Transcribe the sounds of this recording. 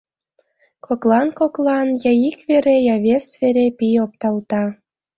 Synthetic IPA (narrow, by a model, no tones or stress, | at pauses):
koklɑnkoklˠɑnjɑjikβeɾejɑβesveɾepijop̚t̪ɑlt̪ɑ